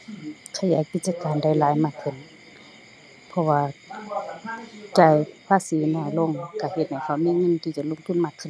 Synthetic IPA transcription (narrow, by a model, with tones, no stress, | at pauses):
kʰa˧˨jaː˨˦jki˧t̪̚t͡ɕaː˧kaː˨nda˧˩jlaː˨˦jmaː˧˩kʰːɯ˧˩n | pʰɔ˧waː˧˩ | kaː˧˩jpʰaː˧˥˨siː˨˦naː˧˩lo˧˨ŋka˧˩he˧˦t̪̚ha˨˩jkʰa˧˩wmiː˧˥˨ŋɤ˧˥˨nt̪ʰiː˧˩t͡ɕa˧˩˦lo˧˥˨ŋt̪ʰu˧˥˨nmaː˧˩kʰːɯ˧˩˨